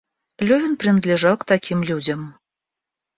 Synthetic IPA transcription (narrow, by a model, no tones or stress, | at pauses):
lʲɔvʲinpɾɨnɐd̪lʲɛʐaw̪kt̪akʲimlʲud͡zʲɐm